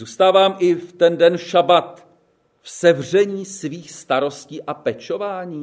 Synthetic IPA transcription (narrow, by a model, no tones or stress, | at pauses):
zuːst̪aːvaːmʔɪft̪ɛndɛnʃabat̪ | fsɛvr̝ɛɲiːsviːxst̪aɾo̞sciːʔapɛt͡ʃo̞vaːɲiː